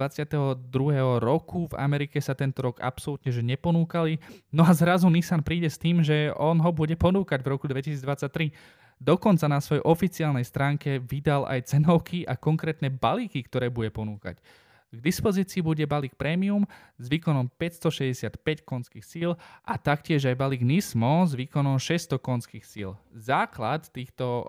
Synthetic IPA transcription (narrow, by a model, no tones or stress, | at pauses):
at͡sɪat̪ɛɦɔd̪ɾuɦɛːɦɔɾɔkʰuva̰mɛɾikɛsat̪ɛnt̪ɔɾɔɡa̰psɔlut̪ɲɛʒɛɲɛpɔnuːkalinɔazɾazunisanpɾiːɟɛst̪iːmʒɛɔnɦɔbuɟɛpɔnuːkaɟvɾɔkud̪ʋɛcisiːd͡zd̪ʋat͡sːac̚t̪ɾi | d̪ɔkɔnt͡sanasʋɔjɛʔɔfit͡siaːlnɛjst̪ɾaːŋkɛʋid̪alʔa̰jt͡sɛnɔʊkʰiʔakɔŋkɾɛːt̪nɛbalikikt̪ɔɾɛːbuɟɛpɔnuːka̰c | ɡd̪ispɔziːt͡siːbuɟɛbaliːk̚pɾɛːmium | zʋiːkɔnɔmpɛcst̪ɔʃɛzɟɛsɪat̪pɛckɔnskiːxsiːlʔat̪akcɪɛʒajbaliɡnismɔzʋiːkɔnɔmʃɛst̪ɔkɔnskiːxsḭːlzaːkla̰t̪ːiːxt̪ɔ